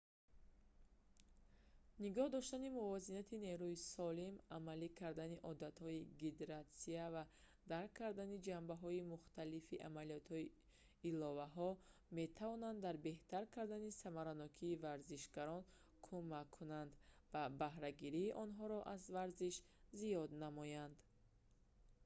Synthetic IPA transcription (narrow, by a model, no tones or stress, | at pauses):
niɡɔhd̪ɔʃt̪animuvɔzinat̪ʰine̞ɾuisɔlimamalikʰaɾd̪aniʔɔd̪at̪hɔiɡid̪eɾat̪siava | d̪aɾkʰːaɾd̪anid͡ʒambaɦɔimuχt̪alifiʔamaliɔt̪hɔiː | lɔvaɦɔme̞t̪ʰavɔnand̪d̪aɾbe̞ht̪aɾkʰaɾd̪anisamaɾanɔkʰiːvaɾziʃɡaɾɔn | kʰumakʰːunand̪vabahɾaɡiɾiːʔɔnɦɔɾɔʔazvaɾziʃ | zijɔd̪namɔjand̪